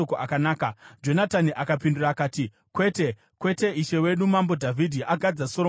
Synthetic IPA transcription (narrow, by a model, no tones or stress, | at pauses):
okoʔakanaːkad͡ʒo̞nataniʔakapinduraːkaːti | kwe̞ːte̞ | kwe̞te̞iʃe̞we̞ɗumambo̞dʱavʱidʱiʔaɡʱad͡zaso̞ɾo